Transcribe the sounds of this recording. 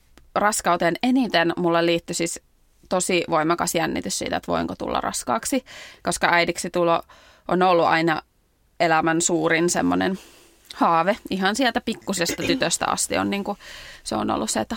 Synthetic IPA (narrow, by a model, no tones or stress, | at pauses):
rɑskɑut̪eːnenit̪enmulːeliːt̪ːysis | t̪osiʋoimɑkɑsjænːḭt̪yssḭːt̪æet̪ʋo̰iŋkot̪ṵlːɑ̰rɑ̰skɑːksikoskɑæidiksit̪ulo | ʔonolːuʔɑ̰inɑ | elæmænsuːrinsḛmːonḛn | hɑːʋeihɑnsielt̪æpikːusest̪ɑt̪yt̪øst̪æ̰ɑ̰st̪ḭo̰nniːŋkuseo̰no̰lːusseet̪ː